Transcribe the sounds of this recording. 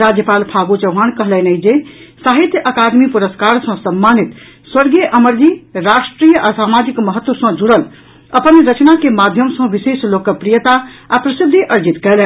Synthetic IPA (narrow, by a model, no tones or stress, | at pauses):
ɾad͡ʒjəpalpʰaɡut͡ʃəʊɦankəɦlɛnəid͡ʒesaɦit̪jəʔəkad̪mipuɾəskaɾsə̃səmːanit̪ | swəɾɡeʔəməɾɡiɾaʂʈɾijəʔasamad͡ʒikməɦət̪wəsə̃d͡ʒuɽəl | əpənɾət͡ʃnakemad̪ʱjəmsə̃ʋiseslokːəpɾijət̪aapɾəsid̪ʱːiʔəɾd͡ʒit̪kɛɦlɛ